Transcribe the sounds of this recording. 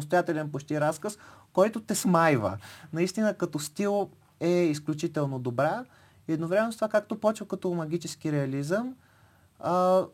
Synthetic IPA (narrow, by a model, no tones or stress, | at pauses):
st̪ojat̪ɛlʲɛnpot͡ʃt̪iɾaskəskɔjt̪ʊt̪ɛsmajvə̰nɐist̪inəkɐt̪ɔst̪ilˠ | ɛisklʲut͡ʃit̪ɛlˠnod̪obɾa | iɛd̪novɾɛmɛnzt̪ovakak̚t̪opɔt͡ʃvəkɐt̪ɔmɐɡʲit͡ʃɛsk̟iɾɛɐlizəm | ə